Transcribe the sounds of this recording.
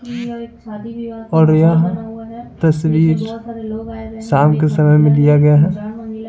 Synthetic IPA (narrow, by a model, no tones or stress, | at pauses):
ɔːɾjaɦ | t̪ɐsʋiːɾ | saːmkesɐməjmẽlijaɡɐjaɦɛː